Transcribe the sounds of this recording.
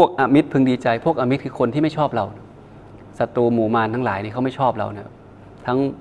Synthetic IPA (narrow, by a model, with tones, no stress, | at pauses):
pʰu˥˩ək̚ʔa˧mi˦˥t̪̚pʰɯ˧ŋdiː˧t͡ɕa˧jpʰu˥˩ək̚ʔa˧mi˦˥kʰɯː˧kʰo˧nt̪i˥˩ma˥˩jt͡ɕʰɔː˥˩p̚ɾa˧wn˥ | sa˧t̪uː˧muː˩˦maː˧nt̪ʰa˦˥ŋlaː˩˦jniː˥˩kʰa˦˥wma˥˩jt͡ɕʰɔː˥˩p̚ɾa̰˧wna˥˩ɐ | t̪ʰa˦˥ŋ